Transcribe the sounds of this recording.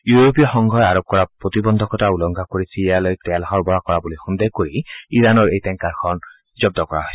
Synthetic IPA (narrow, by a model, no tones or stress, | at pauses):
juɹopijɔxɔŋɡʱɔaɹop̚kɔɹapɹot̪ibɔnd̪ʱɔkɔtaulɔŋɡʱakoɹisialojtɛalɦɔɹbɔɹakɔɹabolijxɔnd̪ejkoɹiiɹanɔɹejtɛŋkaɹkʰɔn | zɔb̚d̪ɔkɔɹa̰ɦoj